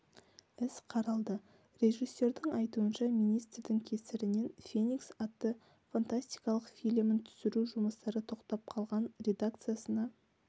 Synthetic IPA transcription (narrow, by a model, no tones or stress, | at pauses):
ɪsqʰɑɾɑlˠd̪ə | ɾʲe̞ʒisːe̞ɾd̪ɪŋɑjt̪uənʃɑmijnijst̪ɾd̪ɪŋkʲʰe̞sɪɾɪnenfʲe̞niksat̪ːə | fant̪asʲt̪i̥jkɑlˠəqfʲijlʲmɪnt̪ʰʏ̥sɪɾuʒʊməst̪ɑɾət̪ʰo̞qt̪ɑp̚qʰɑlˠʁɑnrʲe̞d̪akt̪sɨjasənɑ